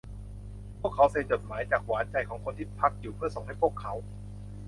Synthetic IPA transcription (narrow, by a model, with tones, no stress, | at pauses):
pʰu˥˩əkʰːa˦˥wse˧nt͡ɕo˨˩t̪̚maː˩˦jt͡ɕaː˨˩k̚waː˩˦˥nt͡ɕa˧jkʰɔː˩˦ŋkʰo˧nt̪ʰiː˥˩pʰa˦˥k̚juː˨˩pʰɯ˥˩ɐəso˨˩ŋɦa˥˩jpʰu˥˩əkʰːa˦˥w